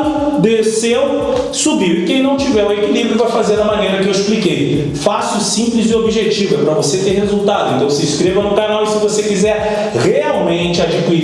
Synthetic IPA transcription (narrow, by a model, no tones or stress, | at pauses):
d̪esewsubiwɪkẽj̃nɐ̃w̃t͡ʃivɛɾũekilibɾjʊpajfazeɾɐmɐnejɾɐkɪewisplikej | fasʊsĩmplɪzɪobiʒet͡ʃivɛpɾɐvoset̪eɾhezuwt̪ad̪ʊẽnt̪ɐ̃sɪiskɾevɐnʊ̃kãjnawsɪvosekizɛɾ | heawmẽt͡ʃɪad͡ʒikui